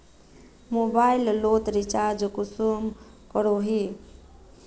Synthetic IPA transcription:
mobaɪllot̪ɾit͡ʃaɾd͡ʒkʊsum | kəɾoɦi

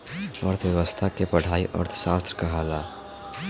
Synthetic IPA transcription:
əɾt̪ʰwjəʋəst̪ʰakepəɽ̤aːiʔə̰ɾt̪ʰʃaːst̪ɾəkaɦaːlaː

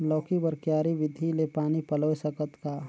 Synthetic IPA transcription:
lɔːkibəɾkjaːɾiʋɪd̪ʱilepaːnipəloːsəkət̪kaː

